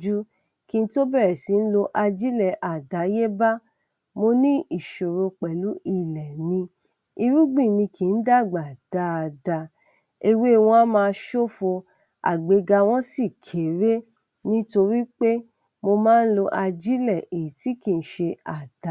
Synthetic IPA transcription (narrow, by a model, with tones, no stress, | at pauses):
d͡ʒu˦ | kĩ˧n̩˧˦to˦bɛ˦˨ɾɛ˨si˨˦n̩˦lo˧ʔa˧d͡ʒi˦lɛ˨ʔa˨da˨˦je˦ba˦ | mo˧nĩ˦i˦˨ʃo˨ɾo˧k͡pɛ˨lu˨˦i˦˨lɛ˨nĩ˧ | i˧ɾu˦ɡ͡bĩ˦˨nĩ˧kĩ˨n̩˦da˦˨ɡ͡ba˨d̥a˨˦˨da˧ | e˧we˦˧˨w̃ɔ̃˧˦a˦mãː˧˦ʃo˦fo˧ | a̰˨ɡ͡be˨˧ɡa˧w̃ɔ̃˦si˦˨kʰe˨ɾe˦ | nĩ˦to˧ɾi˦k͡pe˦ | mo˧mãː˦˧n̩˦lo˧ʔa˧d͡ʒi˦lɛ˦˨ʔe˨i˨ti˨˦kĩ˧n̩˨˦ʃe˧a˨d̥a˨˦